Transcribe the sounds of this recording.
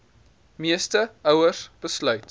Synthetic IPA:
miəstəəwəsb̥əslœɥt

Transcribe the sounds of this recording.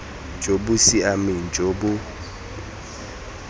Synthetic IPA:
nd͡ʒʱobusiamind͡ʒʱobʊ

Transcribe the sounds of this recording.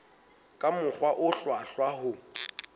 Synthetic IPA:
kʼamʊχwaʔʊɬwaɬwahʊ

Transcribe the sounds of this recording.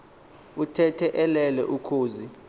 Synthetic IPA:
utʰɛtʰɛʔɛlɛlɛ̰ʔukʰoːzi

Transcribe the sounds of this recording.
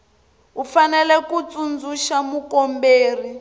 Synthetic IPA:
ufanɛlɛkut͡sund͡zuʃamukɔmbeːri

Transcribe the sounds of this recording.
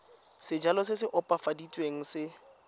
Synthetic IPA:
sɪd͡ʒalɔsɪsɪʔʊpʼafaditʼweŋ̩sɪ

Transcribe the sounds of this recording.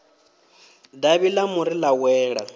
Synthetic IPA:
daβilamuɾilawɛːɺa̰

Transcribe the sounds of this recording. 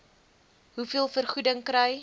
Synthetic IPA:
ɦufiəlˠfərχudəŋkɾəj

